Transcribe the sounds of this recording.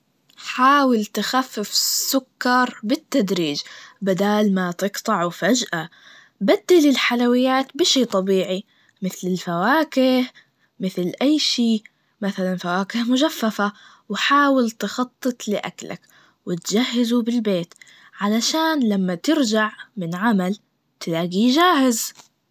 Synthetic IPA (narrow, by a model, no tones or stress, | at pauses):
ħaːwɪlt̪ɪxafːɪfsːʊkːɑɾˤbɪt̪ːad̪ɾiːd͡ʒbad̪aːlmat̪ɨqt̪ˤɑʕwfad͡ʒʔa | bad̪ːalɪlħalawɪjːaːt̪bɪʃiːt̪ˤɑbiːʕi | mɪθlɪlfawaːkɪh | mɪθlʔajːʃiː | maθalanfawaːkɪhmʊd͡ʒafːafa | wħaːwɪlt̪ɪxɑt̪ˤːɨt̪ˤlɪʔa̰kla̰k | wɪt̪d͡ʒahːɪzubɪlbeːt̪ | ʕalaʃaːnlamːat̪ɪɾd͡ʒaʕmɪnʕamal | t̪ɪlaːɡiːd͡ʒaːhɪz